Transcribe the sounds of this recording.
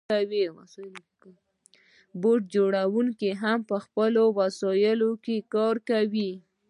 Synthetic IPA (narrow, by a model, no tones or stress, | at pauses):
awias | boʈ̚d͡ʒoɽawuŋkeɦampəxpəlowasɔjəlokekɑɾkawi